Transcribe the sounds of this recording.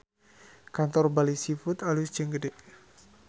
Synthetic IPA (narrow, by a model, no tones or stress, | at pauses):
kant̪ɔrbalisifut̪alusd͡ʒəŋɡədɛʔ